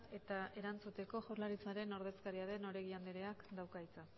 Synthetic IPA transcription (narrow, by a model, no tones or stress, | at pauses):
e̞t̪ae̞ɾant͡sut̪e̞ko̞ʝoɾlaɾit͡saɾe̞no̞ɾð̞e̞skaɾiaðe̞no̞ɾe̞ɣiand̪eɾe̞akd̪awkajt͡sa